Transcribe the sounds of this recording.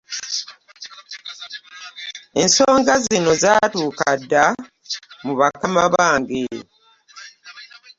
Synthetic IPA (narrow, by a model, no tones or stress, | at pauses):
e̞nso̞ːŋɡazino̞zaːtuːkadːa | muβakamaβaːŋɡe